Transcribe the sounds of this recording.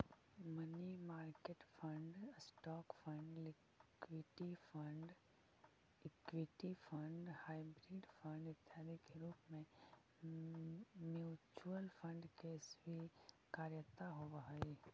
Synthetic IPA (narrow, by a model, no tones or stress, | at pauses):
mənimaːɾkeːʈfʰə̃ɳɖsʈɔːkfʰə̃ɳɖlɪ | kwɪʈifə̃ɳɖ | ɪkwɪʈifə̃ɳɖhaːɪbɾiːɖfʰə̃ɳɖɪt̪jaːɾikeɾuːpmẽ | mjuːt͡ʃuəlfʰə̃ɳɖkeːsʋi | kaːɾjət̪aɦoʋaɦaeː